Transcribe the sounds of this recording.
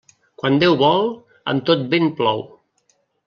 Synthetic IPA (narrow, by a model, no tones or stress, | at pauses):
kwand̪ewβɔlˠ | ə̰mt̪ot̪̚benplɔw